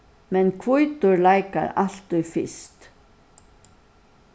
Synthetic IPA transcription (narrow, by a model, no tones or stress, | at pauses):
mɛnkʰvʊjt̪ʊɹlajka̰ɾal̥t̪ʊjfɪ̰st̪